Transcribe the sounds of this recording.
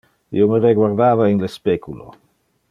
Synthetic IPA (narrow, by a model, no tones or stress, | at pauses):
ḭoməɾeɡwaɾd̪aːvainlespekulo̰